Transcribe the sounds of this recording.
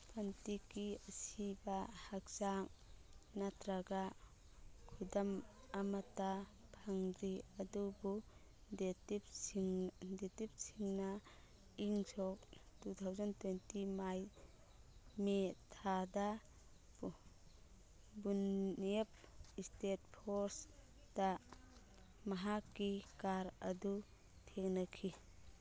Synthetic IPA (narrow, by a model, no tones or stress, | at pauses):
pʰantikːiəsibahak̚zaŋnatɾaɡa | kʰudam | amatapʰaŋɾiɐdubu | detip | detip̚sʰiŋna | iŋsɔk̚tut̪ʰawzantwentimaj | metʰada | bunep̚istet̚pʰɔɾs | d̥a | maɦakːikaɾɐdu | tʰek̚nakʰi